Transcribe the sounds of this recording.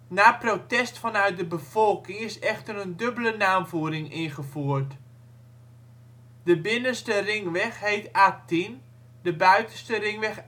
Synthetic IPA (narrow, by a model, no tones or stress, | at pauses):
naːprotɛstfɔnœɥt̚dəbəv̥ɔlˠkɪŋɪsɛxtəɾəndøbələnaːmvuːəɾɪŋɪnχəfuərt | d̥əbɪnəstərɪŋʋɛxhejtatin | dəbœɥtəstərɪŋʋɛx